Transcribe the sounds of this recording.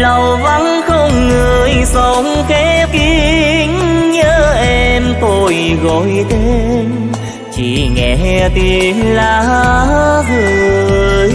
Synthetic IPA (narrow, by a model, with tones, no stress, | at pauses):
lə˨˩wva˧˦nxə˧wŋ͡mŋɨ˨˩əjsə˧˦ŋ͡mkɛ˨˧˦ki˧˦˧ŋɲəː˧˦˥ʔɛ˧mt̪o˧jɣɔ˧˨jt̪ʰe˧˦n | t͡ɕḭ˧˩ŋɛ̰˧˨˩t̪i˧ənlaː˨˩˧zɨ˧˨j